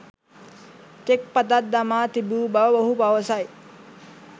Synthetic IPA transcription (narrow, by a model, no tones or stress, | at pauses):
t̪ek̚pat̪at̪̚d̪amaːt̪ibuːbaʋʋɐɦupaʋəsaj